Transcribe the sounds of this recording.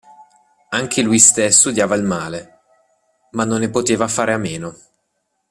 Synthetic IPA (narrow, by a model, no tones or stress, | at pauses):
aŋk̟elujst̪esːud̪jaːvailmaːle | manːonːepot̪eːvafaːɾeameːno